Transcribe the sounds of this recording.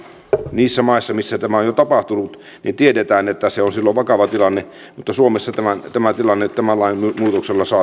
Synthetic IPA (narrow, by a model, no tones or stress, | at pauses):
niːsːæmɑisːɑmisːæt̪æmæojot̪ɑpɑht̪unut̪ | nint̪iedet̪æːnet̪ːæseonsilːoʋɑkɑʋɑt̪ilɑnːe | mut̪ːɑsuomesːɑt̪æmænt̪æmæt̪ilɑnːet̪t̪æmælːɑimmuːt̪okselːɑsɑː